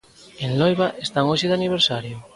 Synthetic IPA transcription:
enlojβaʔest̪aŋoʃeðaniβ̞eɾsaɾjʊ

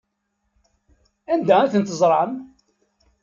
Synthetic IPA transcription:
ænd̪æænθənt̪əzˤɾˤɑn

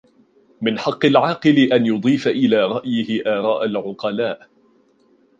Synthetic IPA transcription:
mɪnħɑqːɨlʕɑːqɨlɪʔanjʊd̪ˤiːfaʔɪlaːɾˤɑʔjɪhɪʔaːɾˤɑːʔalʕʊqɑlaːʔ

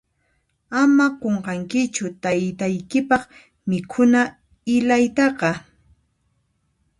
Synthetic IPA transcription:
amaqoɴqɑŋkɪt͡ʃʊt̪ajt̪ajkɪpɑχ | mɪkʰʊna | ɪlajt̪ɑqɑ

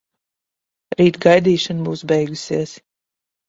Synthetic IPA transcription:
ɾiːt̪ɡajd̪iːʃɔnbuːsbɛjɡusiɛs

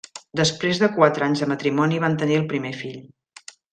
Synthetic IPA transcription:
d̪əspɾezðəkwat̪ɾəaɲzðəmət̪ɾimɔniβant̪əniəlˠpɾimefiʎ

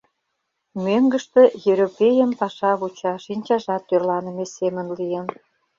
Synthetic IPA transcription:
møŋɡə̆ʃt̪ĕjeɾopʲejəmpɑʃɑβut͡ɕɑʃinʲt͡ɕɑʒɑt̪ːørlɑnə̆mesemənlijən

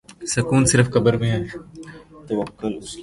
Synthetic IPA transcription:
sɐkuːnsɪɾəfkɐbəɾmẽɦɛː | t̪ɐʋəkːʊlʊs

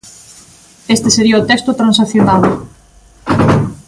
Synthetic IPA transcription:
est̪eseɾiɐot̪ekst̪ʊt̪ɾãnsakθjonal

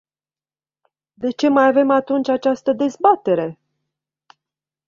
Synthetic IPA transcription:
d̪e̞t͡ʃe̞majave̞mat̪unt͡ʃʲat͡ʃast̪əd̪e̞zbat̪e̞ɾe̞

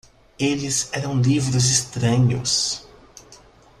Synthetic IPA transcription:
elɪzɛɾɐ̃w̃livɾʊzɪst̪ɾɐ̃ɲʊ̰s

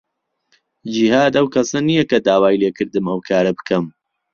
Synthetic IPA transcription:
d͡ʒihaːd̪ɐwkʰɐsɐnijɐkɐd̪aːwaːjleːkɨɾd̪ɨmɐwkʰaːɾɐbɨkʰɐm

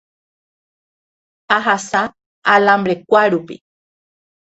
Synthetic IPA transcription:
aɦasa | alãmbɾekʷaɾupḭ

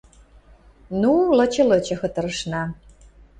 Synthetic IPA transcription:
nulɤ̆t͡ɕɤ̆lɤ̆t͡ɕɤ̆xɤ̆t̪ɤ̆ɾə̆ʃnɑ

